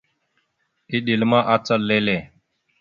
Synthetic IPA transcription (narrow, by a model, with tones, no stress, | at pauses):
i˦ɗi˨lmã˦ʔa˦t͡sə˦lːe˦le˨